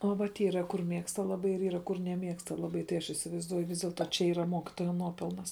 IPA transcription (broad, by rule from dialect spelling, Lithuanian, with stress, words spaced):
oː ʋɐt ˈiːrɐ kʊr ˈmʲeːkstɐ lˠɐˈbɐɪ ɪr ˈiːrɐ kʊr nʲɛˈmʲeːkstɐ lˠɐˈbɐɪ tɐɪ ˈɐʃ ɪsʲɪʋɐɪzˈduɔjʊ ˈʋʲɪs dʲeːlˠˈtoː t͡ʃʲɛ ˈiːrɐ ˈmoːkʲɪtoːjɛ ˈnuɔpʲɛlˠnɐs